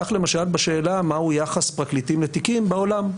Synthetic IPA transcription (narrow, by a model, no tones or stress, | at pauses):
aχle̞maʃalbaʃe̞ːlamaujaχaspʁaklit̪imlet̪ikimbaolam